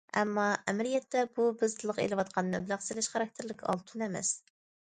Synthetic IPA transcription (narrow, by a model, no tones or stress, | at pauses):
ɛ̰mːɑʔɛmɪlijɛt̪ːɛbubɪzt̪ʰɨlˠəqḛlɨwɑt̪̚qʰɑnnɛbɪlæqselɪʃχɑɾɑk̚t̪ʰɪɾlɪkʲʰɑ̰lˠt̪ʰunɛmɛ̰s